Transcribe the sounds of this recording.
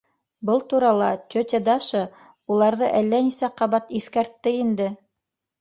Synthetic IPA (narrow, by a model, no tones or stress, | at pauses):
bɤlˠt̪uɾɑlˠɑt̪ʲɵt̪ʲed̪ɑʃɤ | ulˠɑɾðɤʔælːænisæqɑβɑt̪iθkæɾt̪ːɘind̪ɘ